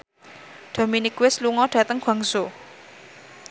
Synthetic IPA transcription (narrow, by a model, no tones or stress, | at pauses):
d̪̥o̤minikwɪsluŋɔɖ̥ä̤t̪əŋɡ̥a̤ŋso